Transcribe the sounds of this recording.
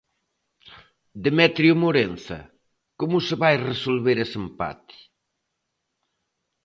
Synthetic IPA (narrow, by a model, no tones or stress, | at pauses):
d̪emɛt̪ɾiumoɾenθɐ̰ | komusəβajresolβeɾesempa̰t̪i̥